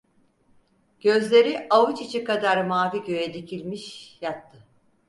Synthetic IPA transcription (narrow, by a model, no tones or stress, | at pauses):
ɟ̥ø̞zlʲe̞ɾiʔavut͡ʃit͡ʃʰikad̪aɾmaːviɟø̞jed̪icʰilʲmiʃjat̪ʰːɯ